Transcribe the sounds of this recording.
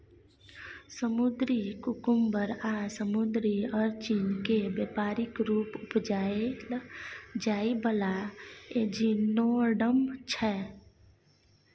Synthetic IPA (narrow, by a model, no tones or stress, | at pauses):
səmud̪ɾikukʊmbəɾasəmʊd̪ɾiɔɾt͡ʃiːnkebepaːɾɪkɾuːpʊpd͡ʒaːeld͡ʒaːibəlaed͡ʒinoɖəmt͡ʃʰɛ